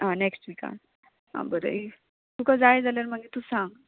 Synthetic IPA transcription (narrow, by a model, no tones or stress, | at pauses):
ɦãneksʈʋika̰n | ɦã̰bəɾə̰i | t̪ukad͡zajd͡zalaɾmaɡet̪usãŋɡ